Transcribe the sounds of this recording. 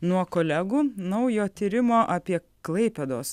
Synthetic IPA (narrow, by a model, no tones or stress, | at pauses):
nuɔkoːlʲæɡuːnɐʊjoːt̪ʲiːɾʲɪmoːʔɐpʲiɛ | klˠɐɪpʲɛd̪oːs